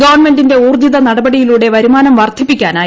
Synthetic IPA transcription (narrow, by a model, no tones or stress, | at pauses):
ɡɐʋɐrɳme̞nɖinde̞uːrd̪iðɐnɐɽɐbɐɽijiluːɽe̞ʋɐɾumaːnɐmʋɐrt̪ʰːipːikʲːaːnaː